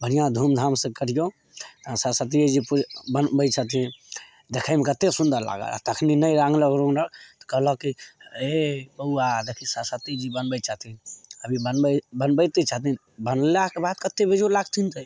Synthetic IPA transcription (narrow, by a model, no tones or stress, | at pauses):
bənijãd̪ʱumd̪ʱamsẽkəɾ̤ijo | sasət̪̬id͡ʒipubənbəjt͡ʃʰət̪ĩ | d̪ekʰaɪmekət̪esund̪əɾla̰ɡə̰la̰t̪əkʰninəjɾãŋɡləɡɾõŋɾəkt̪ɔ̥kəɦləkiebəuad̪ekʰisasət̪id͡ʒibənbət͡ʃaɦt̪inəbʱibənbəbənbəjt̪et͡ʃaɦt̪in | bənlakebad̪kət̪ːebed͡ʒolaɡt̪ʰint̪ə